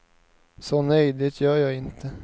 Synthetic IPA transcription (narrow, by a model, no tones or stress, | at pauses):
sɔnœjd̪ɪt̪ʰjœːɾjɑːɡɪnt̪ʰə